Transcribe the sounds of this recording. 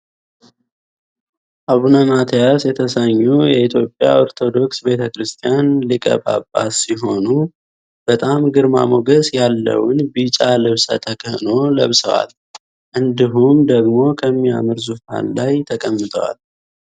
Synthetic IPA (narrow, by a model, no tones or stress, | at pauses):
ʔaβunamat̪ʰjasjɛt̪ʰəsəɲːujɛit̪ʰjo̞pʼːja̰o̞ɾt̪ʰo̞d̪o̞ksbe̞t̪ʰəkɾɨst̪ʰijanlɨkʼə̰ba̰bːa̰siɦo̞nu | b̥ət̪ʼamɡɨɾma̰moɡəsjalːə̰wnbit͡ʃʼalɨβsə̰t̪ʰəkʰəhno̞lə̰βsə̰wa̰l | ʔɨnd̪iɦumd̪əɡmo̞kʰəmːia̰mɨɾzufa̰nlajt̪ʰəkʼəmːɨt̪ʰəwa̰l